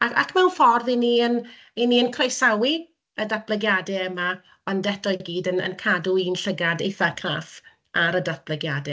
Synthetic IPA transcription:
aa̰kʰmɛwnfɔrðiniən | iniənkʰrejsawi | ədab̥lˠəɡjadɛɛma | b̥andɛtɔɨɡiːdənə̰nkʰaduiːnɬəɡadejθakʰraːf | aɾədat̚b̥ləɡjadɛ

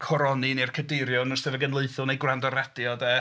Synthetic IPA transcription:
kʰɔɾɔninerkʰədɪɾjɔnərsɛvɛɡənlˠɨɨθʊlˠnejɡwrandɔɾɛd̥jɔdɛ

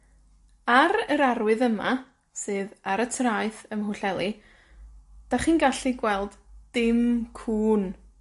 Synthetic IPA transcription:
aɾəɾaɾwɨðəma̰ | sɨːðaɾətʰraɨθəmɦʊɬɛlˠi | d̥aχiːnɡaɬiɡwɛlˠdd̥ɪmkʰuːn

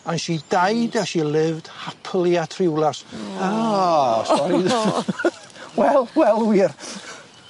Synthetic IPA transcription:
anʃidajdaʃilˠɪvd̥hapʰlˠiatʰrɪwlˠasa | ɔɾ | wɛlˠwɛlˠwiːr

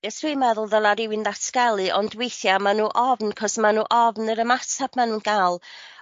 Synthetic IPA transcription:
asriːmɛðʊlˠðəlˠaɾɪwɨnðatʰkɛlˠɨʔɔndwejθjamanuːʔɔvnkʰɔsmanuːʔɔvnəɾəmatʰab̥manuːnɡ̥alˠ

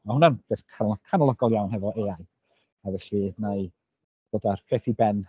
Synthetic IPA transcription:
mahʊnanv̥eskʰakʰanɔlˠɔɡɔlˠjawnhɛvɔʔeːaj | avɛɬinaɨ | doːdarkʰeːθibɛn

